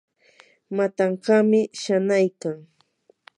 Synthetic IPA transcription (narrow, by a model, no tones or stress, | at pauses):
mat̪ɑɴqɑmɪʃanajkaŋ